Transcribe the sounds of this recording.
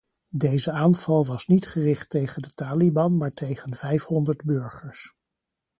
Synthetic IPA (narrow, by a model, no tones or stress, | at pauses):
dejzəaːnv̥ɑlˠʋɑsnitχərɪχtejχəndətaːlibɑnmaːɹtejχənv̥ɛjfɦɔndəɹdbɵɹχəɹs